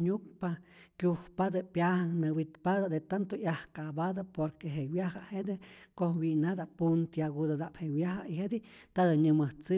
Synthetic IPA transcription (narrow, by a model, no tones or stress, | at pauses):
ɲuk̚pakʲjuhpad̪apjahanmewit̪pad̪ad̪et̪ant̪ojahkabad̪apoɾkeɦewjahahed̪ɨkohwinad̪apunt̪jaɡud̪ad̪aʔphewjaɦaihed̪it̪ad̪ɨɲɨmɨht͡sɨ